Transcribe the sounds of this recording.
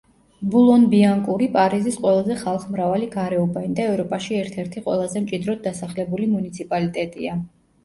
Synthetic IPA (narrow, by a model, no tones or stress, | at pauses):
bulˠɔnbiaŋkʼuɾipʼaɾizisqʼwɛlˠazɛχalˠχmɾavaliɡaɾɛɔbaind̪aɛvɾɔpʼaʃiɛɾt̪ʰɛɾt̪ʰiqʼwɛ̰lˠazɛmt͡ʃʼid̪ɾɔd̪̚d̪asaχlɛbulimunit̪sʰipʼalit̪ʼɛt̪ʼḭa